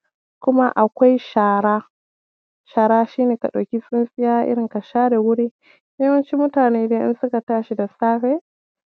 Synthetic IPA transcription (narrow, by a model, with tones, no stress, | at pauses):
kʷʊ˦ma˦ʔa˨kʷa˦jʃaː˨ɾaː˦ | ʃaː˨ɾaː˦ʃiː˦neː˨ka˨ɗa˨kʲi˦sʼɪ˦nsʼɪ˦jaː˦ʔɪ̰˦ɽɪ˨ka˨ʃaː˦da˨wʊ˦ɽiː˦ | je˦wɐ˦nt͡ʃi˦mʊ˦taː˨neː˦deː˦ʔɪ̰˦nsʊ˦ka˨taː˦ʃi˦da˨saː˦ɸeː˦